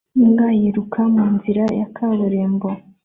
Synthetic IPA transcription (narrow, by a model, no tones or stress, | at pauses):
niŋɡajiɾukʰamuːnziɾajakʰaβuɾeːmbo